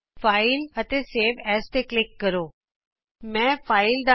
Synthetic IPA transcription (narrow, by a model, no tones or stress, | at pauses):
faɪlət̪eseːʋɛːst̪eklɪkːəɾo | mɛ̃faːɪld̪a